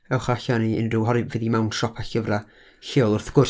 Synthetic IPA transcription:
ɛwχaɬaniɪ̰ndrɪwɦɔɾɨvɨðimawnʃɔpʰaɬəvra | ɬɪlˠʊrθɡ̥ʊr

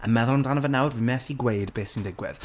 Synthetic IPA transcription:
əmɛðʊlˠndanəvənɛwdvimɛθiɡwejdbeːsɪndɪɡwɪ̰ð̥

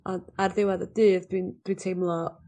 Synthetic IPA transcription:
ɔndarðɪwaðəd̥ɨːðdwind̥wintʰejmlˠɔ

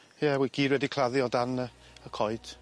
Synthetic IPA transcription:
jɛwiɡ̥iːdwɛdikʰl̥ˠaðjɔdanə | əkʰɔjd̥

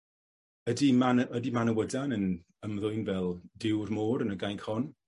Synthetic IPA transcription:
ədimanəədimanəwədanən | əmðʊjnvɛlˠdɪwrmoːɾənəɡajnkʰɔn

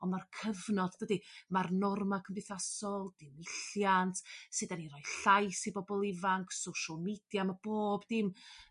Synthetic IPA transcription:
ɔnmarkʰəvnɔddədimarnɔrmakʰəmbɪθasɔlˠd̥ɪmɪɬjantʰsɨdaniɾɔɨɬajsibɔbɔlˠɪvaŋkʰsowʃɔlˠmid̥jamab̥oːbdɪm

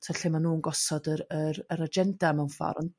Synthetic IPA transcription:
tʰɛɬɛmanuːnɡɔsɔdəɾəɾəɾad͡ʒɛndamɛwnfa̰ɾn

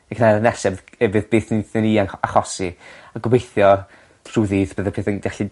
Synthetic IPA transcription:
ɛkʰnalənɛsɛðɛvɨðbeːθniθɪniːanaχɔsiaɡwejθjɔ̥ | r̥uðiːðb̥əðapʰeːθənɡaɬi

